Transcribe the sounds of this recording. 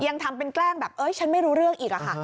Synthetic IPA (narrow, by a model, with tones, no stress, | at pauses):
ja˧ŋt̪ʰa˧mpe˧nklɛː˥˩ŋbɛː˨˩p̚ʔɤ˦˥jt͡ɕʰa˦˥nma˥˩jɾuː˦˥ɾɯ˥˩əŋʔiː˨˩k̚a˨˩kʰa˦˥˩